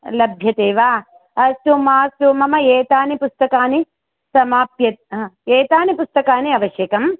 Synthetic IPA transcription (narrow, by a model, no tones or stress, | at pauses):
lɐbʱjɐt̪eːʋaː | ɐsumaːsumɐmɐeːt̪aːnipust̪ɐkaːni | sɐmaːpjɐt̪̚ːeːt̪aːnipust̪ɐkaːniɐʋɐʃjeːkɐm